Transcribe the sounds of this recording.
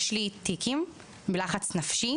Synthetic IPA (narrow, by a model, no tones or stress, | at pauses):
ʃlitikim | bilaχat͡snafʃi